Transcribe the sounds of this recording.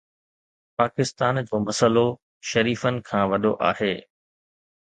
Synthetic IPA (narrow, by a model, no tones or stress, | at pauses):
paːkɪst̪aːnd͡ʑoːmɐsəlo | ʃɐɾiːfənɪ̆kʰãːʋɐɗoʔa̰ːheː